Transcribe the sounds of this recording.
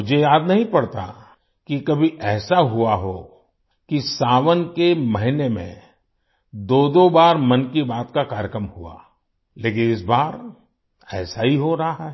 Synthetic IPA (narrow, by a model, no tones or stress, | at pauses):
mʊd͡ʒʱejaːd̪nɐɦĩpɐɽt̪a̰ | kikɐbʱiʔɛːsaɦuaɦoː | kisaːʋənkemɐɦɪnemḛ̃ | d̪oːd̪obaːɾmɐ̃nkibaːt̪kakaːɾjəkɾəmhua̰ | leːkɪ̃nɪs̬baːɾ | ɛːsaɦiɦoɾɐɦaɦaɦ